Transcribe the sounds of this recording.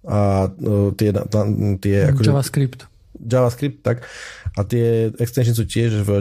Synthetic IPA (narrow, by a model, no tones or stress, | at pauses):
a | t̪ɪɛna̰at̪ɪɛa̰kɔd͡ʒaʋaskɾipt̪ | d͡ʒaʋaskɾip̚t̪ːakʔat̪ɪɛɛkst̪ɛnʃ̬əns̬uːcɪɛʒv